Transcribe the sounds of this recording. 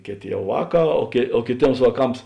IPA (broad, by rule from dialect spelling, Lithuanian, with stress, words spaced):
ˈkʲeːˌtʲeː ˈjɛʊ ˈʋɑːˌkɑː oː kʲeː oː kʲeːˈtʲeːms ʋɑːˈkɐms